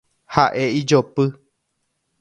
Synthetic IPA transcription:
haʔeid͡ʒopɨ

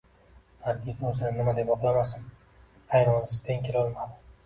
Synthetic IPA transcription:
haɾkʲit̪ɵzɪnɪnɪmad̪epɒqlˠamasɪm | hʰajɾɒnɪsɪ̥t̪ʰeŋʲkʰʲelɒlˠmad̪ɪ

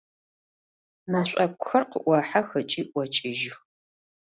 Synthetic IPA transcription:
maɕʷʼɐkʷʼʊxɐrqəʔʷɑħaxɐt͡ʃʼiːʔʷɔt͡ʃʼɪʒɪx

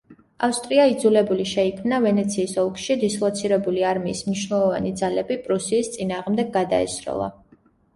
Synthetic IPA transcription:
afst̪ʼɾiaid̪zulɛbuliʃɛikʰmnavɛnɛt̪sʰiːsɔlˠkʰʃid̪islˠɔt̪sʰiɾɛbuliaɾmiːsmniʃnɛlˠɔvanid̪zalɛbipʼɾusiːst̪sʼinaːʁmd̪ɛɡːad̪a̰ɛ̰sɾɔ̰lˠa̰

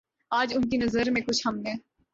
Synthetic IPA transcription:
aːd͡ʒʊnkinɐzəɾmẽkʊt͡ʃʰhɐmnẽː

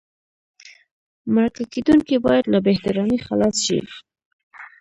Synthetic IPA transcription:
maɾakaked̪uŋkibɑjad̪labeht̪aɾɑnixalɑsʃḭ

